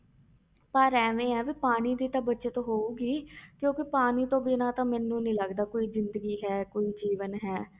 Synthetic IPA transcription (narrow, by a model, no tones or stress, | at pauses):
paːɾɛːʋẽːɛːʋiːpaːɽ̃iːd̪iːt̪ãːbətːʃeːt̪õːɦoːuːɡiːkjõːkɪpaːniːt̪õːbinãːt̪ãːmɛːnːũːnĩːləɡd̪aːkoːiːzɪnd̪əɡiːɦɛːkoːiːd͡ʒiːʋənɦɛː